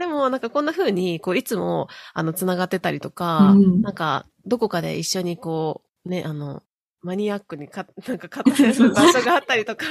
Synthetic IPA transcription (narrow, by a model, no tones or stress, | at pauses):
d̪̥e̞mo̞nãŋkakõ̞nːaɸɯ̟ːɲ̟iko̞ːit͡sɨmo̞a̰no̞t͡sɨnaɡat̪ːe̞t̪aɾʲit̪o̞kanãŋka̰ | d̪o̞ko̞kad̪e̞̰ʔiɕːo̞ɲ̟iko̞ː | ne̞ʔano̞̰ | maɲ̟iakːɯ̟ɲ̟ikanãŋkakat̪ːaesbaɕo̞ɡaːt̪ːaɾʲit̪o̞ka